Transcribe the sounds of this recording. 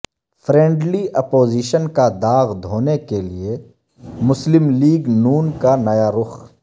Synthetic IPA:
fʰɾɛ̃ːɳɖliʔɐpoːziːʃənkad̪aːɣd̪ʱoːnekelie | mʊslɪmliːɡnuːnkanɐjaɾʊx

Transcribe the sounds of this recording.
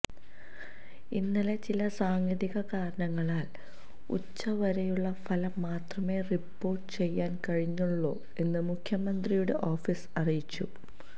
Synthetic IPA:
inːilet͡ɕilɐsaːŋjɐðiɣɐkaːɾɐɳɐŋːɐɭaːl | ṵt͡ɕːɐʋɐɾɐjuɭːɐfɐlɐmːaːt̪rɐme̞ːripːo̞ːrʈːɨ̥t͡ɕe̞jːaːnkɐɻiɲːuɭːoː | e̞nːɨmukʰjɐmɐnd̪rijuɽe̞ʔo̞ːfisɐrijit͡ɕːṵ

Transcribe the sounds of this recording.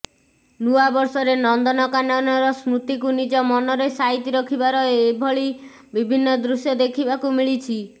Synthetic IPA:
nuabɔɾsɔɾenɔnd̪ɔnɔkanɔnɔɾɔsɾut̪ikunid͡ʒɔmɔnɔɾesaɦit̪iɾɔkʰibaɾɔebʱɔɭi | bibʱinːɔd̪ɾusjɔd̪ekʰibakumiɭit͡ʃʰi

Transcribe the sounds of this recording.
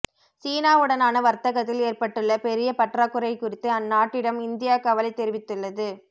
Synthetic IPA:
siːnaːɯɽɐnaːnɐʋɐɾt̪ɐɣɐt̪ːɪleːrpɐʈːɯɭːɐpɛɾɪjɐpɐʈraːkːɯɾɐɪkʊɾɪt̪ːɯɐnːaːʈːɪɽɐmɪnd̪ɪjaːkɐʋɐlɐɪt̪ːɛɾɪʋɪt̪ːɯɭːɐðɯ

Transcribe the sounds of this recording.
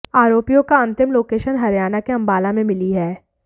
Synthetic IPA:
aːɾoːpijõkaɐ̃nt̪ɪmloːkeːʃənɦɐɾjaːnakeɐ̃mbaːlamẽmɪliɦɛː

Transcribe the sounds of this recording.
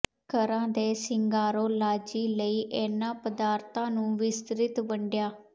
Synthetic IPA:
kəɾãːd̪eːsɪŋɡaːɾoːlaːd͡ʒiːləiːʔɛːnãːpəd̪aːɾt̪ãːnũːʋɪst̪ɾɪt̪ʋəɳɖɪjaː

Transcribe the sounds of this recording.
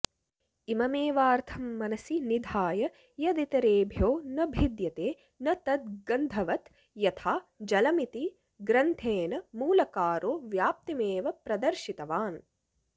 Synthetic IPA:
imɐmeːʋaːɾt̪ʰɐmːɐnɐsinid̪ʱaːjɐ | jɐd̪it̪ɐɾeːbʱjoːnɐbʱid̪jɐt̪eː | nɐt̪ɐt̪̚ɡɐnd̪ʱɐʋɐt̪ | jɐt̪ʰaːd͡ʒɐlɐmit̪i | ɡɾɐnt̪ʰeːnɐmuːlɐkaːɾoːʋjaːp̚t̪imeːʋɐpɾɐd̪ɐɾʃit̪ɐʋaːn

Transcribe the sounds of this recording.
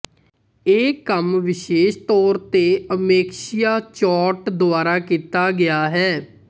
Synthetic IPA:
eːkəmʋɪʃeːʃt̪ɔːɾt̪eːəmeːkʃɪjaːt͡ʃɔːʈd̪ʊaːɾaːkiːt̪aːɡɪaːɦɛː

